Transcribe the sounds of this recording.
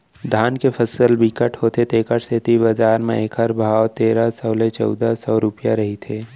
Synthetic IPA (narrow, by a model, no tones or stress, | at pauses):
d̪ʱaːnkepʰəsəlbikəʈhoːt̪et̪eːkəʈset̪ibɐd͡ʒaːɾmḛ̃eːkʰɦəɾbʱaːwt̪eːɾasɐːlet͡ʃɔ̰ːd̪asɔːɾʊpjaɾɐɦit̪ʰeː